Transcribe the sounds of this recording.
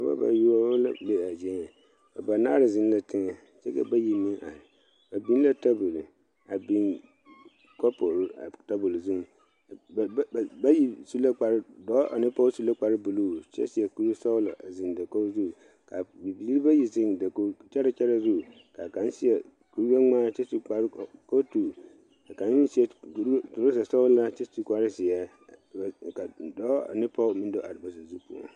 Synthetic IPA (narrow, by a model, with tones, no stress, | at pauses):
a˨ba̰˦ba̰˨ju˦ɔ˦la̰˦be˦˨a˨d͡ʒɛ˦ŋɛ˨ | a˨ba˨naː˦ɾɪ˨zɪ˦n˦la˦tɪ˦ŋɛ˨ | t͡ʃɛ̰˦kɛ̰˦ba˦ji˦mi˦ŋʔa̰˨ɾɪ˨ | ba˨bi˦n˦la˦ta˦bʊ˨lɪ˨ | a˨bi˦n | kɔ˦po˨ɾʊ˦˨ta˦bʊ˨lzu˦m˨˦˨ | ba˦ji˦˨su˦la˦k͡pa˨ɾɪ˦dɔː˦ʔa̰˨nɪ˦pɔ˦su˦la˦k͡pa˨ɾɪ˦bu˨lu˦˨t͡ʃɛ̰˦sɪ˦ɛ˨ku˦ɾsɔ˦la˨ʔa˨zɪ˨n˨da˨ko˦zu˦˨ | kʰa˨bi˨bi˨li˦ɾbɛ˦ji˨zɪ̃˨ndɛ˨ko˨t͡ʃɛ˦ɾɛ˦t͡ʃʰɛ˦ɾɛ˦zu˦ | kʰa̰˨kã˨n˦sɪ˦ɛ˨ | ku˨ɾu˦a˦ŋ͡mã˦t͡ʃɛ˦su˨ka˨ɾko˦tu˨ | a˨kã˨n˦hɪ̃˦si˦ɛ˨ku˨ɾtʊ˨ɾʊ˦sɛ˨sɔ˦wla˦t͡ʃɛ˦su˨˦kʷa˦ɾɪ˦sɪ˨ɛ˦˨ | ka˨dɔ˦ɔ̰˨nɪ̃˦pʰɔ˦mĩ˦n˦dɔ˦ʔa˨ɾɪ˨ba˨sa˨zu˦pʰu˨ɔ̰˨